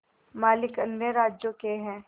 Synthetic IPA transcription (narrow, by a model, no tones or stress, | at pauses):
maːlɪkɐnjəɾaːd͡ʒjõkeɦɛ̃ː